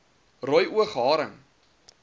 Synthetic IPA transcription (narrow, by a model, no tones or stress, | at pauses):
rɔjʔuəχɦɑːɾəŋ